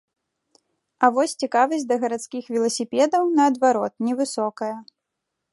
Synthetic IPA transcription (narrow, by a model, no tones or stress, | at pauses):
ɐvɔsʲt͡sʲikavɐsʲd̪ɐɣɐɾat̪skʲixvʲɛlˠɐsʲipʲɛd̪ɐwnɐːd̪vaɾɔt̪nʲɛvɨsɔkɐjɐ